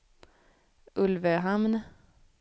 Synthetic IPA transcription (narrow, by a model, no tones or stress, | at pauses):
ʔɵlvəɦamn